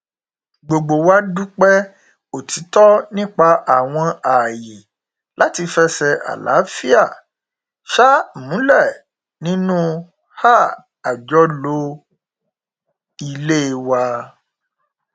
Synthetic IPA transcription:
ɡ͡bo˨ɡ͡bo˨wa˦du˦k͡pɛ˦ | o˨ti˨˦tɔ˦nĩ˦k͡pa˧ʔa˨w̃ɔ̃˧a˨je˨ | la˨˦ti˧fɛ˦sɛ˧ʔa̰˨la̰˨˦fi˦a˦˨ | ʃa˦mũ˨˦lɛ˦˨ | nĩ˦nũ˦ | ha˦˨ | a˨d͡ʒɔ˦lo˦ | i˧le˦˧wa˧

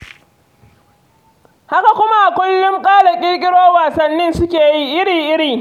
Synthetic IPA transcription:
ha˦ka˨kʷʊ˦ma˦ʔa˨kʷʊ˦lːʊ˦ŋkʼaː˦lɐ˨kʲʼɪ˦kʲʼɪ˦ɽoː˦waː˨sɐ˦nːɪ˦nsʊ˦kʲeː˨ji˦ʔɪ˦ɾiː˨ʔɪ˦ɽiː˨

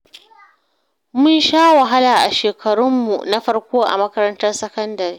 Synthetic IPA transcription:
mʊ˦nʃaː˦wɐ˨ɦa˦laː˨ʔa˨ʃeː˨kʰɐ˨ɽʊ˦mːu˨na˦ɸɐ˦rkʷoː˦ʔa̰˨mɐ˦kɐ˦ɾɐ˦ntɐ˦rsɐ˦kɐ˦ndɐ˨ri˨˦

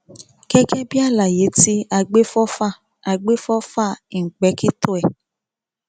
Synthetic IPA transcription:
kɛ˦kɛ˦bi˦a˦la˨je˨˦ti˦a˨ɡ͡be˦fɔ˦fa˦˨ | a˨ɡ͡be˦fɔ˦fa˦˨i˨ŋ̩˨k͡pɛ˨˦ki˦tʊ˦ɛ˨

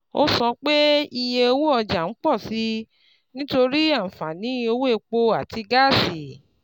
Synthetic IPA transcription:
o˦sɔ˧k͡pe˦i˧je˧wu˦ɔ˧d͡ʒa˨ñ̩˦k͡pɔ˦˨si˨˦ | nĩ˦to˧ɾi˦a˦˨fa˨nĩ˨˦o˧wu˦e˦˧k͡po˧a˦˨ti˧ɡa˦˨si˨

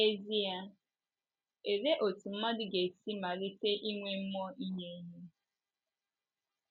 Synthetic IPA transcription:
e˦zi˦ja˦ | e˨ɾe˦ʔo˨tu˨m̩˦ma˦dɪ˦ɡe˨si˦ma˨ɾi˦te˦ʔi˦ŋʷe˦m̩˦mɔ˦i˦ɲe˦ɲe˦

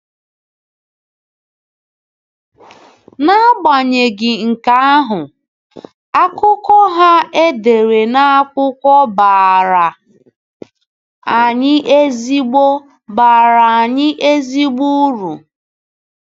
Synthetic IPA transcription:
na˦ɡ͡ba˨ɲe˨ɡɪ˨ŋ̩˨ka˨˦a˦ɦʊ˨ | a˦kʊ˦kɔ˦ɦa˦e˦de˨ɾe˨na˦kʷʊ˦kɔ˦ba˨ɾa˨ | a˨ɲɪ˦ʔe˦zi˦ɡ͡bo˦ | ba˨ɾa˨a˨ɲɪ˦ʔe˦zi˦ɡ͡bu˦ɾṵ˨

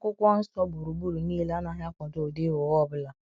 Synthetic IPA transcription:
kʊ˦kʷa˦n̩˦stɔ˦bʊ˨ɾu˨bu˦ɾu˨ni˦la˦na˦ɦja˦kʷɔ˨to˨de˦o˨wɔ˦˨bʊ˦la˨

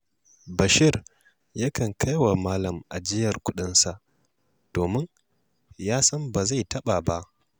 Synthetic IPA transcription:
bɐ˨ʃɪ˦˨r | ja˦kɐ˨ŋkʰa˦jwa˨maː˦lɐ˨mʔa˨d͡ʒɪ˦jɐ˨rkʷʊ˦ɗɪ˦nsa˨ʔ | d̥oː˨mɪ˦ŋ | jaː˦sɐ˦mba˨za˦˨jtɐ˦ɓaː˨ba˦ʔ

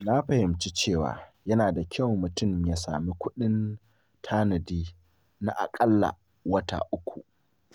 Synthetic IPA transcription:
na˦ɸɐ˨hɪ˨mt͡ʃi˦t͡ʃeː˦˨wa̰ː˨jɐ˦naː˨da˨kʲʰɐ˦˨wmʊ˨tʊ˦˨mjaː˦sa̰ː˨mi˦kʷʊ˦ɗɪ˦n | tʰaː˦nɐ˨diː˦ | na̰˦ʔa̰˨kʼɐ˦lːa̰˨ | wɐ˦ta̰˨ʔʊ˦kʷʰu˨ʔ

